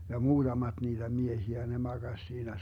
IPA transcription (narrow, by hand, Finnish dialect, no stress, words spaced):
jɑ muːd̥ɑmɑd̥ niːtæ miehiæ ne mɑɡ̊ɑsʲ siːnæ